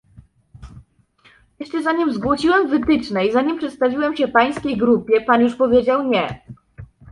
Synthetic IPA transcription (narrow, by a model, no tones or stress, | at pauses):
jɛʂt͡ʂɛzaɲimzɡwɔɕiwɛmvɘt̪ɘt͡ʂnɛizaɲimpʂɛt̪st̪avʲiwɛmɕɛpaj̃skʲejɡɾupʲjɛpanjuʂpɔvʲjed͡ʑawɲɛ